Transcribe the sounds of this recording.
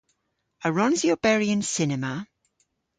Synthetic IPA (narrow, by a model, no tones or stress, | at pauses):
əɹɔ̃nziob̥ɛɹiə̃nsɪnɛmə